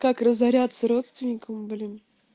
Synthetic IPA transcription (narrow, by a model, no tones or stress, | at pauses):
kakrəzɐɾʲat̪səɾo̞t̪st̪vʲɪnʲɪkəmblʲin